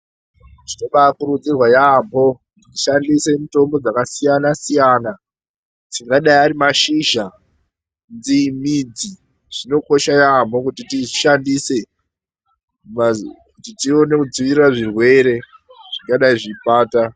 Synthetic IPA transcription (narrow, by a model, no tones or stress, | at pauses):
tino̞ɓakuɾud͡zirwajambo̞ | ttiʃandisemito̞mbo̞d͡zakasijanasijana | tiŋɡaɗaiaɾimaʃiʒa | nd͡zimid͡zi | ʐ̥ino̞ko̞ʃajambo̞kutitiʃandise̞ | makutitione̞kud͡ziʋiriraʐirwe̞ɾe̞ | ʐ̥iŋɡaɗaiʐipaːta